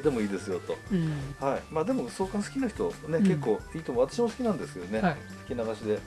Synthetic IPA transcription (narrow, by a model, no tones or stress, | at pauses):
d̪e̞mo̞iːd̪e̞sɨjo̞t̪o̞haimaːd̪e̞mo̞so̞ːkãsɨ̥kʲinaçi̥t̪o̞ne̞ke̞kːo̞ːiːt̪o̞mo̞at̪aɕimosɨ̥kʲinãnd̪e̞sɨ̥ke̞d̪o̞ne̞ | sɨ̥kʲinaɡaɕid̪e̞